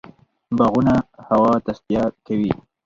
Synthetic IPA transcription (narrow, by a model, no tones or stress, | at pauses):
baɣunahawɑt̪ast̪ijɑt̪̚kawi